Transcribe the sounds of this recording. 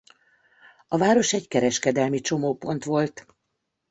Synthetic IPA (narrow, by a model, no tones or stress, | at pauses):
ɒvaːɾo̞ʃɛɟkɛɾɛʃkɛd̪ɛlmit͡ʃo̞moːpo̞n̪t̪ʋo̞lt̪